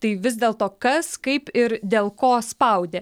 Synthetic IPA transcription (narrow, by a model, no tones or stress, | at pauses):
t̪ɐɪʋʲɪzd̪ʲeːlˠt̪oːkɐskɐɪpɪɾd̪ʲeːlˠkoːspɐʊd̪ʲeː